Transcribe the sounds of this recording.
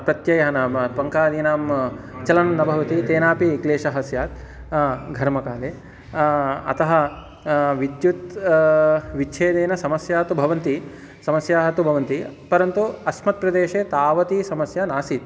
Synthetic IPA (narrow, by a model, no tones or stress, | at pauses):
pɾɐt̪jɐjɐɦɐnaːmpɐŋkaːd̪iːnaːm | t͡ʃɐlɐnnɐbʱɐʋɐt̪it̪eːnaːpikleːʃɐɦɐsjaːt̪̚ | ɡʱɐɾmɐkaːd̪eː | ɐ̰t̪ɐɦɐ | ʋid̪jut̪ | ʋit͡ʃʰeːd̪eːnɐsɐmɐsjaːt̪ubʱɐʋɐnt̪i | sɐmɐsjaːɦɐt̪ubʱɐʋɐnt̪ipɐɾɐnt̪uɐsmɐt̪̚pɾɐd̪eːʃeːt̪aːʋɐt̪isɐmɐsjɐnaːsit̪̚